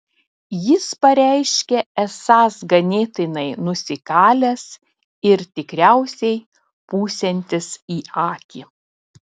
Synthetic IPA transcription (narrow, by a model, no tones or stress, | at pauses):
jɪspɐɾʲæˑɪʃʲkʲɛɛsɑːsɡɐnʲeːt̪ʲɪnɐɪnʊsʲɪkɑːlʲɛs | ɪɾt̪ʲɪkɾʲæʊsʲɛɪ | puːsʲɛnʲt̪ʲɪsiːɑːkʲiː